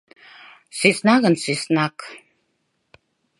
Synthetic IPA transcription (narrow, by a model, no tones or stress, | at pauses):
sisnaɣənsisnak